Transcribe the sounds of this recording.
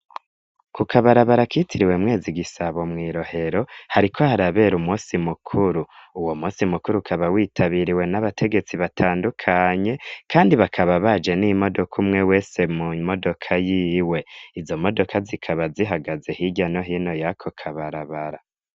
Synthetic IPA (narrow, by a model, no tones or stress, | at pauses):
kukʰaβaɾaβaɾakitiɾiwe̞mŋe̞ːziɡisaβo̞mŋiːɾo̞he̞ɾo̞haɾikʰo̞haɾaβe̞ɾumuːsimukʰuɾuuwo̞muːsimukuɾukʰaβawiːtʰaβiɾiwe̞naβatʰe̞ɡe̞t͡siβatʰaːndukʰaɲe̞kʰaːndiβakʰaβaβad͡ʒe̞nimo̞do̞kʰumŋe̞we̞ːse̞mumo̞do̞kʰajiːwe̞izo̞mo̞do̞kʰazikʰaβaziɦaɡaze̞hiɟano̞ɦino̞jakʰokʰaβaɾaβaɾa